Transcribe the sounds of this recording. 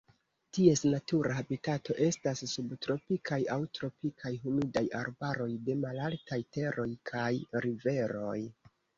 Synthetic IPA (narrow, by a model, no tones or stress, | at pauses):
tie̞snatuɾaɦabitatʰo̞ʔe̞stasːubtɾo̞pikʰajawtɾo̞pikʰajɦumidaja̰ɾbaɾo̞jde̞malaltajte̞ɾʔo̞jkʰajɾive̞ɾo̞̰j